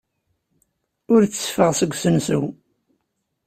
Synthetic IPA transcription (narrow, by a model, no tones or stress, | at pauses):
ʊɾt͡sːəfəʁsəɡʷːsənsu